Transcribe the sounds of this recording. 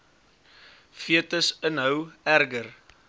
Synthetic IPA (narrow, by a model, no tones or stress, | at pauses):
fiətəsənɦəwærɡər